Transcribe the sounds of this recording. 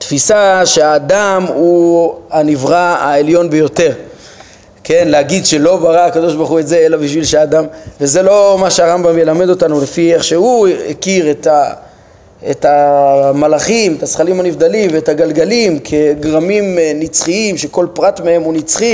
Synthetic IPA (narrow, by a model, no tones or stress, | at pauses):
t̪fisaʃe̞aːd̪amuanivʁaa̰eljo̞nbe̞jo̞t̪e̞ʁ | ke̞nlehaɡid̪ʃe̞lo̞baʁaakad̪o̞ʃbaʁχue̞tze̞elabiʃvilʃeaːd̪amveze̞lo̞maʃeaʁambamje̞lame̞d̪o̞tanulefieχʃe̞huḛkiʁet̪a | etamalaχimet̪asχalimanivd̪alimveetaɡalɡalimkʰe̞ɡʁamimnit͡sχiimʃeko̞lpʁatmee̞munit͡sχi